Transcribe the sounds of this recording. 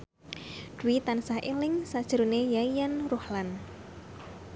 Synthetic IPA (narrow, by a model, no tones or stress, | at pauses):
d̥uwit̪ansahʔelɪŋsad̥ʒ̥əɾunejaijanruhlan